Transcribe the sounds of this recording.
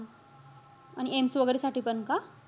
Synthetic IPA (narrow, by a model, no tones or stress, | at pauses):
añiʔemsʋəɡɾesaʈiːpənka